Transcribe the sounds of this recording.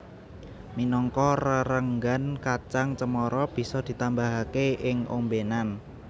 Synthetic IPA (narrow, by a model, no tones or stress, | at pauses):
minɔŋkɔrəɾəŋɡankat͡ʃaŋt͡ʃəmɔɾɔb̥i̤sɔd̪̥i̤t̪ambaɦakeɪŋombenan